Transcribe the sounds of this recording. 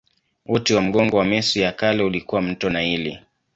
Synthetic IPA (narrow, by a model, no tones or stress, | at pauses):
wɔtiwam̩ɡɔŋɡɔwamɛsujakalɛulikuwam̩tɔnaili